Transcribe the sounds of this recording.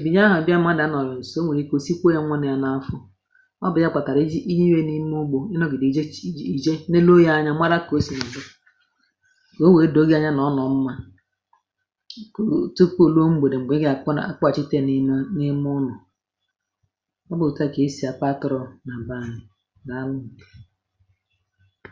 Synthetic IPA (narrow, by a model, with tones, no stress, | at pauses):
i˨bi˨ɲ˦a˦ɦʊ˨a˨bja˦m̩˦a˦da˦nɔ˨ɾɔ˨n̩˨so˦we˨ɾi˦ko˨si˦kʷo˦ja˦ŋʷa˦ne˨ja˨na˨˦fʊ˦ | ɔ˦bʊ˨ja˦k͡pa˨ta˨ɾi˦i˦ɲi˦we˦ni˦m˦ʊ˦ɡ͡bo˨ɪ˦nɔ˦ɡɪ˨di˨d͡ʒi˨d͡ʒe˦ne˦lo˦ja˦ɲa˦ma˦ɾa˦ko˦si˦na˨bʊ˦ | ko˦we˨˦do˨˦ɡe˦a˦ɲa˦nɔ˨˦nɔ˨m̩˦ma˦ | ko˨tu˦k͡po˦˨lo˦ŋ͡m̩˦ɡ͡bo˨de˨ŋ͡m̩˨ɡ͡be˦ɡe˦a˨k͡pna̰˦a̰˦˨k͡pa˨t͡ʃi˦te˦n˦nɪ˦m˦ʊ˦nɔ˨ | ɔ˦bʊ˨ta˦ke˨˦si˨˦a˨k͡pa˦tɔ˨ɾɔ˨na˨ba˨nɪ˨ | ɡa˨˦lʊ˦ŋ̩˨ke̥˨